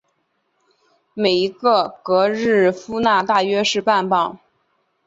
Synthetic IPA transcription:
me˨˩ɪi˧˥ɡə˥˧kɤ˧˥ɻɻ̩˥˩fu˥na˥˧t̪a˥˩ɥɛ˥ʂɻ̩˥˧pa˥˧npɑ˥˩ŋ

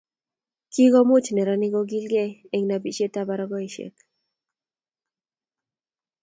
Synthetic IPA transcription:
ki˦ɡɔ˦mʊ˦t͡ʃnɛ˨ɾɔ˦nɪ˦ɡɔ˦ɡi˦lɡɛ˦e˨ŋna˨bi˨t͡ʃe˦ta˦ba˨ɾɔɡɔ˦i˨ʃḛ˨k

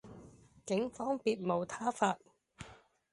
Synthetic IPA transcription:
kɪ˨˥ŋfɔː˥ŋpiː˧t̚mo˨˧wt̪ʰaː˥faː˧t̚

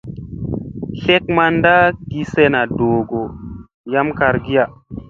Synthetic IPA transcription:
ɬe˦k̚ma˦nda˦ɡi˨se˦na˨doː˨ɡo˨ | ja˦mka˨ɾɡi˦a˨

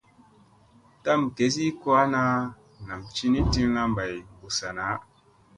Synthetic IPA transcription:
ta˦mke˨˦s̬i˦ko˦a˦na˦ | na˨mt͡ʃi˦ni˦ti˦ŋla˦mba˨jm˨bu˨sa˨na˨˦

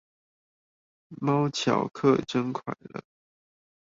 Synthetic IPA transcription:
mɑ˥ʊt͡ɕʰjɑ˨˩ʊkʰɤ˥˩ʈ͡ʂə˥ŋkʰwa̰˨˩ɪlə̰˦

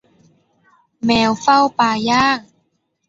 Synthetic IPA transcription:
mɛː˧wfa˥˩wpaː˧jaː˥˩ŋ

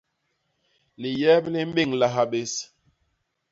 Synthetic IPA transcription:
li˨jɛ˦bli˦m̩˦bi˦˨ŋla˨ɦa˨ɓe˨s

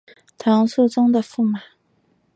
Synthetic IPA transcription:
t̪ʰɑ˧˥ŋsu˥˩ʈ͡ʂʊ˥ŋd̪ə˨fu˥˩ma˨˩˦

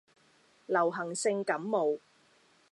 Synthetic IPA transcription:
lɐ˨˩wɦɐ˨˩ŋsɪ˧ŋkɐ˨˥mːo˨˧w

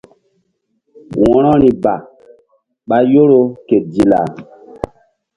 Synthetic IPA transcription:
wɔ̃˨ɾɔ˦ɾi˨ba˨ | ɓa˦jo˦ɾo˦ke˨di˨la̰˨

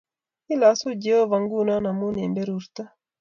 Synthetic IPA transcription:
i˦la˨su˦d͡ʒe˦o˦va˨ŋɡu˦na˦na˨mu˦nɛ˨nbe˦ɾu˨ɾt̪a˦

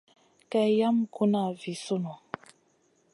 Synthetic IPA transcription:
kɛ˨ja˦mku˦na˦˨vi˨su˦no˨

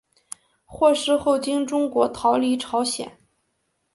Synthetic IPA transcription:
xwɔ˥˧ʂɻ̩˥˧xo˥˩ʊt͡ɕi˥ŋʈ͡ʂʊ˥ŋkwɔ˧˥t̪ʰɑ˧˥ʊli˧˥ʈ͡ʂʰɑ˧˥ʊɕjɛ̰˨˩˦n

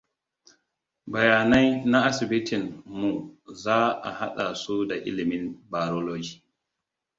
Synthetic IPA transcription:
bɐ˨jaː˨na˦jna˦ʔa˦sɪ˨bi˦tʰɪ˨nmu˨zaː˦ʔa̰˨ha˦ɗa˨su˦da˨ʔɪ˦lɪ˨mɪ˦nbaː˨ɾoː˦loː˦d͡ʒiː˨

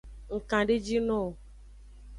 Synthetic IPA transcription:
ŋ̩˨kã˨ɖe˦d͡ʒi˦nɔ̃˦˨

